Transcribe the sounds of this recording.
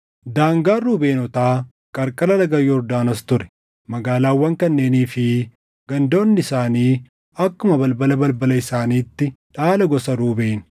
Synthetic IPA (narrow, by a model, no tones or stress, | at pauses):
d̪aːŋɡaːruːbe̞ːnɔt̪aː | kʼɐɾkʼɐlɐlɐɡɐjːɔɾd̪aːnɐst̪ʊɾɛ̥ | mɐɡaːlaːwːɐŋkɐnːe̞ːniːfɪ | ɡ̥ɐnd̪o̞ːnːɪɪsaːniː | ɐkːʊmɐbɐlbɐlɐbɐlbɐlɐɪsaːniːt̪ːɪᶑaːlɐɡɔsɐɾuːbeːnʊ̥